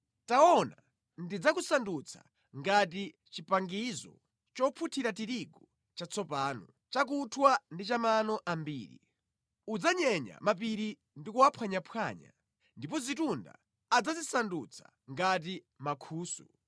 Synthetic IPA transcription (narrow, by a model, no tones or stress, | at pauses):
taɔna | ndid͡zakusandut͡sʰḁ̰ | ŋɡat̬i | t͡ʃipaŋɡizɔ̰ | t͡ʃɔpʰutʰiɾatiɾiɡɔ | t͡ʃat͡sʰɔpaːnɔ | t͡ʃak̬utʰwandit͡ʃamanɔʔambḭːɾḭ | ud͡zaɲɛɲa̰map̬iɾi | ndikuapʰwaɲapʰwaɲa̰ | ndipɔzitunda̰ː | d͡zazisandut͡sʰḁ̰ | ŋɡat̬i | makʰuːsṵ